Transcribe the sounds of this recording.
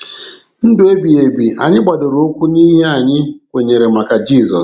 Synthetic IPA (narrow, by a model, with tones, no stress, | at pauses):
n̩˦dʊ˨e˦bi˨e˨bi˨a̰˨ɲɪ˦ɡ͡ba˨dʊ˨ɾo˨˦o˦kʷu˦ni˦ɦe˦a˨ɲɪ˦kʷe˨ɲe˨ɾe˨ma˨ka˨d͡ʒiː˦˨zɔ̰˨s